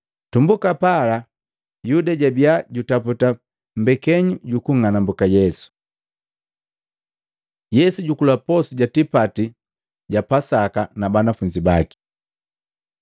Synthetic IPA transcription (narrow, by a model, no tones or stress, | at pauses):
tumbukapala | judaɟabiaɟutaputa | m̩bɛkɛɲuɟukuŋanambukajɛsu̥ | jɛsuɟukulapɔsuɟatipati | ɟapasakanabanafuɲd͡ʒibaki̥